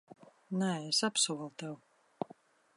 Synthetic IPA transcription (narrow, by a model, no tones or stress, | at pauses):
naesapsuɔlˠt̪ɛw